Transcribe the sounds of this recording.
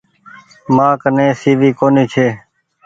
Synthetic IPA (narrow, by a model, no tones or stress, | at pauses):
mãːkənẽːsiːʋiːkoːniːt͡ʃʰeː